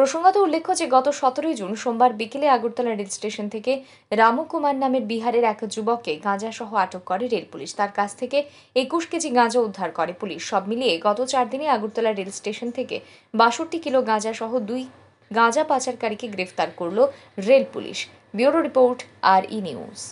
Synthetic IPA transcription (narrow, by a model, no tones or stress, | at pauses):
pɾoʃoŋɡot̪oulːekʰːod͡ʑeɡɔt̪oʃɔt̪oɾojd͡ʑunʃombaɾbikeleaɡuɾt̪ɔlaɾelsʈeʃont̪ʰeke | ɾamukumannːameɾbiɦaɾeɾɛkd͡ʑubɔkːeɡãd͡ʑaʃɔɦoaʈokːɔɾeɾelpuliʃt̪aɾkat͡ɕʰt̪ʰeke | ekuʃked͡ʑiɡãd͡ʑaud̪ʱːaɾkɔɾepuliʃʃɔbmilieɡɔt̪ot͡ɕaɾd̪ineaɡuɾt̪ɔlaɾelsʈeʃont̪ʰekḛ | baʃoʈikiloɡãd͡ʑaʃɔɦod̪uj | ɡãd͡ʑapat͡ɕaɾkaɾikeɡɾeft̪aɾkoɾlo | ɾelpṵlḭʃ | biuɾoɾipoɾʈaɾḭnḭṵz